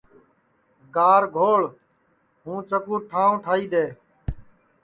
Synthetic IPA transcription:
ɡaːɾɡʱoːɭ | ɦũːt͡ʃəkuːʈʰaːõːʈʰaːiːd̪eː

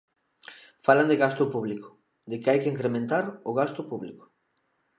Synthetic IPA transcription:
faland̪eɣast̪ʊpuβliko̥ | d̪ɪkeajkeiŋkɾemẽnt̪aɾoɣ̞ast̪ʊpuβlḭko̥

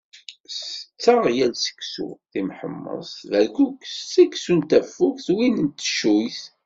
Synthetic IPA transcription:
sət͡sːəʁjælsə̥ksṵθimħə̰mːə̰sˤvælkukːst͡sːæksunt̪æfːukθwinənt̪ʃujθ

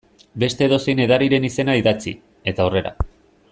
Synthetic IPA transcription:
be̞st̪e̞ðo̞sejne̞ðaɾiɾe̞nise̞naiðat͡sḭ | e̞t̪aore̞ɾa̰

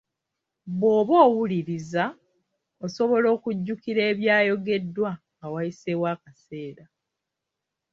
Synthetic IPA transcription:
βwo̞ːβo̞ːwuliɾiza | oso̞βo̞lo̞ːkuɟːukiɾe̞ːβjaːjo̞ɡe̞dːwaŋɡawajisewaːkase̞ːɾa

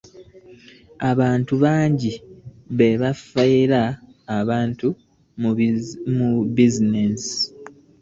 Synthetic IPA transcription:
aβaːntuβaːɲɟi | βeβafaiɾaːβaːntu | mmubizinesi̥

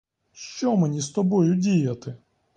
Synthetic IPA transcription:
ʃt͡ʃɔmenʲist̪ɔbɔjʊdʲijɐt̪ɪ

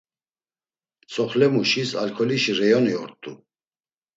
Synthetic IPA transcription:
t͡sʰʼɔχlɛmuʃisa̰lkʰɔliʃiɾɛjɔniɔɾt̪ʼu

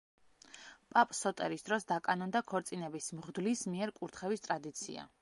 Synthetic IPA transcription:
pʼapʼsɔt̪ʼɛɾisd̪ɾɔsd̪akʼanɔnd̪akʰɔɾt̪sʼinɛbismʁd̪lismiɛɾkʼuɾt̪ʰχɛvist̪ʼɾad̪it̪sʰḭa̰

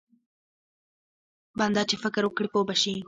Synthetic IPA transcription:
band̪ɑt͡ʃefɪkɾwʊkɽipoːbaʃi

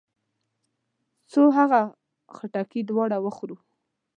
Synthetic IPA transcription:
t͡soɦaɣa | xaʈakid̪wɑɽawəxɾu

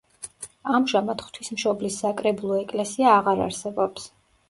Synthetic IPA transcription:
amʒamat̪χt̪ʰismʃɔblisːakʼɾɛbulˠɔɛkʼlɛsiaːʁaɾa̰ɾsɛbɔps

